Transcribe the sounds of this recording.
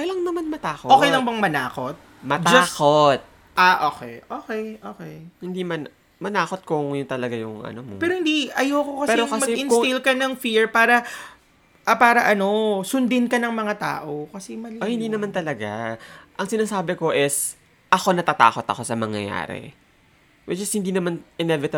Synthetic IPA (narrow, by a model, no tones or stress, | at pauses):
kɐlɐŋnɐmanmɐt̪aːkooːkejlɐŋbɐŋmɐnaːko̞t̪̚ | mɐt̪d͡ʒaɐːkot̪̚ | aʔoːkɛ̰jʔoːkɛjʔoːkɛjhɪnd̪imɐn | mɐnaːko̞t̪̚kʊŋjʊnt̪ɐlɐɡajʊŋʔɐ̰nomopɛːɾohɪnd̪iɐjokokɐspɛːɛɾokɐsmɐɡɛɪnɪlkɐnɐŋfiɹpaːɾɐ | ʔɐpaːɾɐʔɐno̞sʊnd̪ɪnkɐnɐŋmɐŋat̪a̰ːʔokɐsɛmɐliʔohɪnd̪inɐmant̪ɐlɐɡaʔɐŋsɪnaːsaːbɛko̞ʔɪs | ʔɐko̞nɐt̪at̪a̰ːko̞t̪ɐ̰ko̞sɐmɐŋjɐ̰ja̰ːɾɛ̰ | wɛd͡ʒɐst̪̚hɪnd̪iːnɐmanʔɪnɛvɪt̪ɐ